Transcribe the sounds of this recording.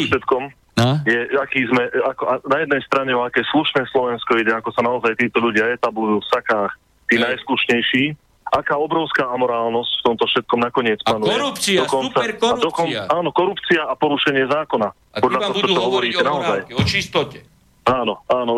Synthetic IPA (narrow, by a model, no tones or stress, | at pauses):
ʃɛt̪kɔm | jɛakiːzmɛakɔanajɛd̪nɛjst̪ɾaɲɛɔakɛːsluʃnɛːslɔʋɛnskɔiɟɛakɔsanaɔzajt̪iːt̪ɔʎuɟɪaɛt̪ablujuːfsakaːx | t̪iːnajskluʃɲɛjʃiː | ʔakaːɔbɾɔʊskaːamɔɾaːlnɔscft̪ɔmt̪ɔfʃɛt̪̚kɔmnakɔɲɪɛt͡spanuɛɔkɔnt͡saad̪ɔkɔnʔaːnɔkɔɾupt͡siaapɔɾuʃɛɲɪɛzaːkɔna | pɔd̪ʎat̪ɔɦɔt͡ʃɔt͡ʃɔɦɔʋɔɾiːɛnaɔzajt͡ʃt̪ | aːnɔaːnɔ